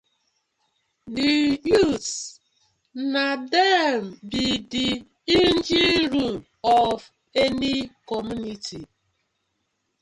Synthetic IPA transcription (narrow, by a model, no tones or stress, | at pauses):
diju | nadɛmbidi | in̩d͡ʒiɾu | ɔv | enikɔmjunitʰi